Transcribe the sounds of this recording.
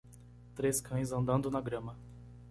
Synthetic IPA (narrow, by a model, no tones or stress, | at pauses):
t̪ɾeskʰɐ̃j̃zɐ̃nd̪ɐ̃nd̪ʊnɐɡɾɐ̃mɐ